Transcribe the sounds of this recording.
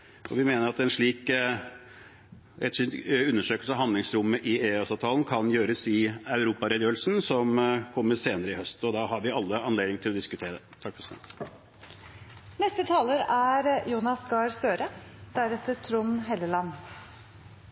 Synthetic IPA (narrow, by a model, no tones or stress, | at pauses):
ʔɔʋɪmeːnəɾɑt̪ɛnʂɭiːk | ɛ̰t̪ʂʉnːəʂøːkəlsəɑʋɦɑnd̪ɪŋsɾʊmːəʔɪeːɑsɑʋt̪ʰɑːln̩kʰɑnjøːɾəsɪɑʉɾuːpɑɾɛd̪jøːlsnsɔmkʰɔmːəseːnəɾəɪhœst̪ɔd̪ɑhɑɾʋɪɑlːəɑnleːd̪ɪŋt̪ʰɪlɔd̪ɪskʉt̪ʰeːɾəd̪ɛt̪ʰɑkːfsɛ̰ | nɛst̪ət̪ʰɑːləɾæɾjuːnɑsɡɑɾsøːɾəd̪̥æɾɛt̪ət̪ʰɾʊnɦɛlːəlɑn